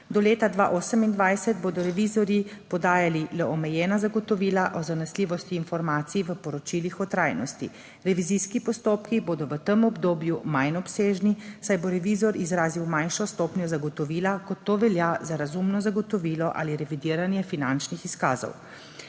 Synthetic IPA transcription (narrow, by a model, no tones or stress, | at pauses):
d̪ɔleːt̪ad̪ʋaʔoːsəmind̪ʋajsɛd̪̚boːd̪ɔɾɛʋizɔɾjipɔd̪aːjalilɛɔmɛjɛːnazaɡɔt̪ɔʋiːlaʔɔzanɛsliːʋɔst̪iːnfɔɾmaːt̪siiʋəpɔɾɔt͡ʃilixɔt̪ɾaːjnɔ̰st̪ḭ | ɾɛʋiziskipɔst̪oːpkiboːd̪ɔʋət̪əmɔbd̪oːbjumajnɔpseːʒnisajboɾɛʋizɔɾizɾaːziwmajnʃɔst̪opnʲjɔzaɡɔt̪ɔʋiːlakɔt̪ːoːʋɛljazaɾazumnɔzaɡɔt̪ɔʋiːlɔʔa̰liɾɛʋid̪iːɾanjɛfinant͡ʃnixiskaːzɔ̰w